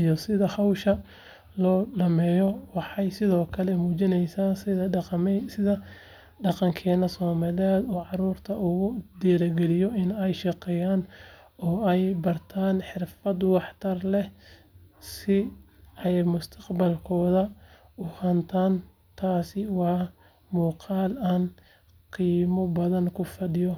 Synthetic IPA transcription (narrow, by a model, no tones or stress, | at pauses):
ijɔsɪðɐhɐwʃɐ | lɔːɖɐmɛːjɔwɑħɑjsɪðɔːkʰɐlɛmuːt͡ʃɪnɛjsaːsɪðɐɛsɪðɐ | ɖɑqɑŋkʰɛːnɐsɔːmalɪaːd̪ɔːʕɑɾuːrt̪ʰɐʔʊɣʊd̪ɛːlɐɡɛlɪjɔɪnɛjʃɑqɛːjaːn | ɔːɛjbɐrt̪ʰaːnħɪrfɐd̪wɑħt̪ʰɐrlɛ | sɪ | ʔɛjmʊst̪ʰɐ̥qbɐlkʰɔːðɐ | ʊhɐnt̪ʰaːn | t̪ʰaːsɪwɑː | muːqɑːlaːn | qiːmɔbɐðɐnkʰʊfɐɗɪjɔ